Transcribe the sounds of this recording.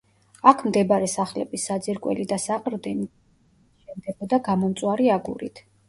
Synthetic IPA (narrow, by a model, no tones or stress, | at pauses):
akʰmd̪ɛbaɾɛsaχlɛ̰bisːad̪zɛɾkʼwɛ̰lid̪asaqʼɾd̪ɛni | ʃɛmd̪ɛbɔd̪aɡamɔmt̪sʼwaɾiaɡṵɾḭt̪ʰ